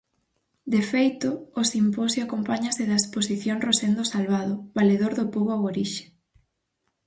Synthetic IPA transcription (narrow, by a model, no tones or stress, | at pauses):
d̪efejt̪ʊːsimposjoakompaɲasɪðaesposiθjoŋrosend̪osalβaðʊβaleðoɾðʊpoβaoɾiʃe̥